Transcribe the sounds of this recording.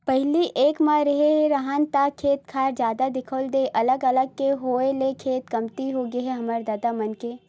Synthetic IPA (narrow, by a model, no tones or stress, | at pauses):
pɐɦliʔeːkmaɾɐɦeɦɛɾɐɦaːnt̪akʰeːt̪kʰaːɾd͡ʒjaːd̪ad̪ɪkʰəld̪eːʔɐləɡɐləɡ̚keɦoːelekʰeːt̪kɐmt̪iɦoːɡiɦɛɦɐməɾd̪aːd̪amɐnkeː